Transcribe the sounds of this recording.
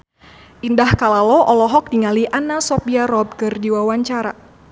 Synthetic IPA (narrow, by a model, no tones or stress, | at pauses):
ʔindahkalalɔʔɔlɔɦɔk̚diŋaliʔanasɔpiaɾɔb̚kɨrdiwawaɲt͡ʃaɾa̰